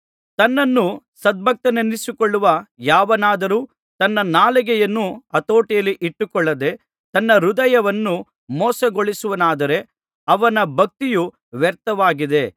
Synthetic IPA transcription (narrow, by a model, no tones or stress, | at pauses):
t̪ɐnːɐnːu | sɐd̪̚bʱɐk̚t̪ɐnɐnːisukɔɭːuʋɐjaːʋɐnaːd̪ɐɾuː | t̪ɐnːɐnaːlɛɡɛjɐnːuɐt̪oːʈijɐlːiʔiʈːukɔɭːɐd̪e̞ | t̪ɐnːɐɾud̪ɐjɐʋɐnːu | mɔːsɐɡoɭisuʋɐnaːd̪ɐɾe̞ | ɐʋɐnɐbʱɐk̚t̪iju | ʋɛɾt̪ɐʋaːɡid̪e̞